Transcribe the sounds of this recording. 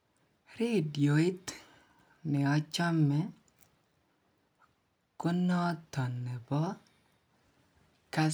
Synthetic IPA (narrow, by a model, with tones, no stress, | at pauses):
ɾe˦djo˨i˦t̪ | nɪ˨ɔ˦t͡ʃɔ˦mːɛ˦ | kʊ˦nɔ˦t̪ɔ˨nːɛ˨bɔ˦ | ka˦